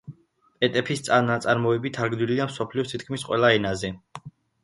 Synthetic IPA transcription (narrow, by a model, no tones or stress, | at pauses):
pʼɛt̪ʼɛpʰist̪sʼanat̪sʼaɾmɔɛbit̪ʰaɾɡd̪wiliamsɔpʰliɔsʰit̪̚ʰkʰmisqʼwɛ̰laɛnazɛ